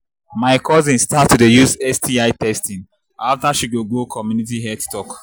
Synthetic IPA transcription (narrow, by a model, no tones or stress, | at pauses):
maɪkʰɔzĩnstatːudəjusɛstʰiaɪtɛstĩn | aftaʃiɡoɡokʰɔmjunit̬iɦɛttɔk